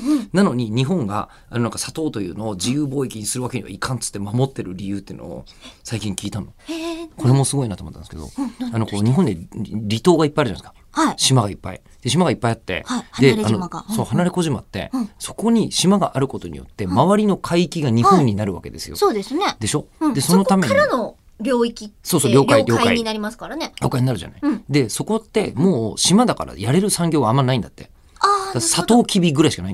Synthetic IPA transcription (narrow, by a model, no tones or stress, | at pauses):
nano̞ɲ̟iɲ̟iɦõ̞ŋɡa̰ | annãŋkasat̪o̞ːt̪o̞jɯ̟ːno̞ːd͡ʑijɯːbo̞ːikʲiɲ̟isɨɾɯβake̞ɲiβa̰ikʰãnt͡sɨ̥t̪ːe̞mamo̞t̪ːe̞ɾɯ̟ɾʲijɯ̟ːt̪ːeiɯ̟noo̰ | saikʲĩŋkʲiːt̪ãnːokʰo̞ɾe̞mo̞sɨɡo̞inat̪omt̪ːand̪sked̪o̰ano̞kkoɲ̟iɦõ̞nd̪eɾʲit̪o̞ːɡaipːaijaɾ̟ʑanaeskḁ | haiɕimaɡaipːa̰ḭ | d̪̥e̞ɕ̬imaɡaipːaiat̪ːe̞̰id̪eɾanomaɡaso̞ːhanaɾe̞ko̞ʑimat̪ːe̞̰so̞ko̞ɲ̟iɕimaɡaʔaɾɯ̟ko̞t̪o̞ɲ̟ḭjo̞̰t̪ːe̞maβaɾʲino̞kʰaiːkʲiɡaɲ̟ihõ̞ɲ̟ːinaɾɯ̟βa̰ke̞d̪e̞̰sɨ̥̰jo̰soːd̪esned̪e̞ɕo̞d̪e̞sono̞t̪ame̞ɲaɾano | ɾʲo̞ːikʲiso̞ːso̞ːɾʲo̞ːɾkʲaoiɾʲo̞ːaka̰iɲinaɾʲimasɨ̥kaɾaneɾʲo̞ːkaiɲ̟inaɾɯ̟ʑa̰naid̪e̞so̞ko̞t̪ːe̞mo̞ːɕimad̪aka̰ɾa̰jaɾe̞ɾɯ̟sãŋɡʲo̞ːɡaːmːanaĩnd̪at̪ːe̞̰ | ad̪asat̪o̞ːkʲʰibʲiɡɯ̟ɾaiɕikanai